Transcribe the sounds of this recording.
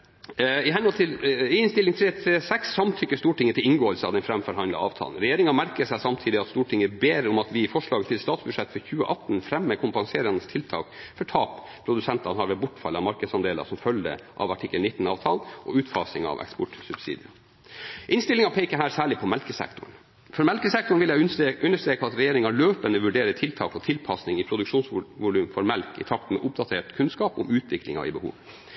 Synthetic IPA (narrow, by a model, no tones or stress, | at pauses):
ɪɦɛnɔlt̪ʰɪlɪɪnst̪ɪlɪŋt̪ʰɾeːt̪ʰɾeːsɛksːɑmt̪ʰʏkːəst̪uːʈɪŋːət̪ʰɪlɪŋɡoːəlsəɑ̰ʋd̪ɛnfɾɛmfɔɾhɑnlɑ̰ɑ̰ːʋt̪ʰɑ̰ːln̩ɾɛjeːɾɪŋɑmæɾkəsæɪsɑmt̪ʰiːd̪ɪɑt̪st̪uːʈʰɪŋːəbeːɾɔmɑt̪ʋɪfɔʂɭɑːɡət̪ʰɪlst̪ɑːt̪sbʉd̪ʂɛt̪ːfɔɾçʉːə̰ʔɑt̪n̩fɾɛmːəkʰʊmpɑŋseːɾənəst̪ʰɪlt̪ʰɑ̰ːkfɔʈʰɑːp | pʰɾʊd̪ʉsɛnt̪ɑnhɑɾʋɛlbʊʈːfɑ̰lːɑmɑɾkəd̪sɑnd̪eːlɑ̰sɔmfœld̪ə̰ʔɑ̰ʋɑʈʰɪkːəlnɪt̪ːn̩ɑːʋt̪ʰɑlʔɔ̰ʉːt̪fɑːsɪŋɑ̰ʋɛ̰kspɔʈsʉbsḭːd̪ɪɑ | ʔɪnst̪ɪlɪŋɑpʰeɪkəɦæːɾsæːɭɪpʰɔmɛlkəsɛ̰kt̪ʊ̰ɳ̩ | fɔɾmɛlkəsɛk̚t̪ʊɳ̩ʋɪljæʔʉnːəʂt̪ɾeːkɑt̪ɾɛjeːɾɪŋɑɭøːpənəʋʉɖeːɾət̪ʰɪlt̪ʰɑ̰ːkɔt̪ʰɪlpʰɑsnɪŋɪpʰɾʊd̪ʉkʂuːnsʋʊlʉːmfɔɾmɛlkɪ̰t̪ʰɑk̚t̪n̩mɛ̰ʔʊp̚d̪ɑt̪ʰeːʈkʰʉnskɑːpʊ̰mʉːt̪ʰʋɪklɪŋɑ̰ɪ̰bəhṵːʋ